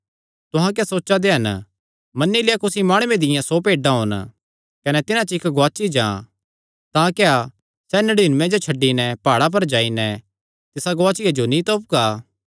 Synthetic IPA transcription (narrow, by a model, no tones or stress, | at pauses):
t̪ʊɦãk̬jasoːt͡ʃad̪eɦɐn | mɐnːilɪjakʊsimaːɽ̃uːẽd̪ɪjãsopeːɖãɦo̰ːn | kɐnɛt̪ɪnãt͡ʃɪkɡaːt͡ʃid͡ʒã̰ː | t̪ãːkea | sɛːnɐɽiːnmẽd͡ʒot͡ʃʰɐɖːinɛpaːɽap̬ɐɾd͡ʒaːinɛ | t̪ɪsaɡoaːt͡ʃɪad͡ʒonĩt̪oːp̚ɡaː